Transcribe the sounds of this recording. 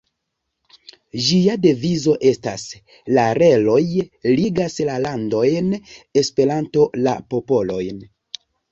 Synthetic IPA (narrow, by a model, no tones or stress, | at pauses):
d͡ʒiade̞vizo̞ʔe̞stas | laɾe̞lo̞jliɡaslalando̞jne̞spe̞ɾanto̞la̰po̞po̞lo̞jn